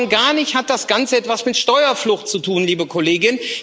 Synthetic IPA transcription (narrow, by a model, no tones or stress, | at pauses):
ŋɡaːɐnɪçthat̚d̥asɡ̥ant͡səɛtv̥asmɪtʃtɔʏɐflʊxt̚t͡sutʰuːnliːbəkʰɔleːɡɪn